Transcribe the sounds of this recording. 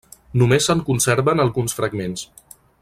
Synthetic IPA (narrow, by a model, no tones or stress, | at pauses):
numesəŋkunsɛɾβənəlˠɣunsfɾəɡmens